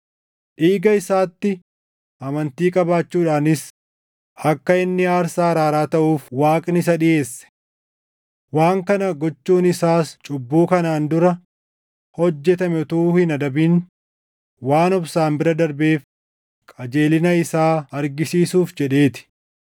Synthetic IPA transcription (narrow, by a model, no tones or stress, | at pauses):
ʔiːɡɐɪsaːt̪ːɪ | ʔɐmɐnt̪iːkʼɐbaːt͡ʃːuːᶑaːnɪs | ʔɐkːɐɪnːɪaːɾsaːɐɾaːɾaːt̪ɐʔuːfwaːkʼnɪs̬ɐɗɪje̞ːsːɛ̥ | waːŋkɐnɐɡɔt͡ʃːuːnɪsaːst͡ʃʼʊbːuːkɐnaːnd̪ʊɾɐ | hɔd͡ʒːɛt̪ɐmɛɔt̪uːhɪnɐd̪ɐbiːn | waːnɔbsaːmbɪɾɐd̪ɐɾbe̞ːf | kʼɐd͡ʒe̞ːlɪnɐɪsaːɐɾɡɪsiːsuːfd͡ʒɛᶑe̞ːt̪ɪ̥